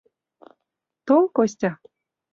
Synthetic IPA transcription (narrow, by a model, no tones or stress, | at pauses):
t̪oŋkosʲtʲa